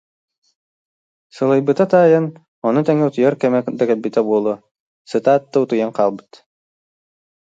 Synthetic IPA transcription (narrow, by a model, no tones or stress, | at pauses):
sɯlˠɯjbɯt̪at̪aːjɯn | ɔnut̪ɛŋɛut̪ujaɾkɛmɛd̪ɛkɛlbit̪ɛbuɔlˠu | sɯt̪aːt̪ːɯut̪ujanqaːlˠbɯ̥t̪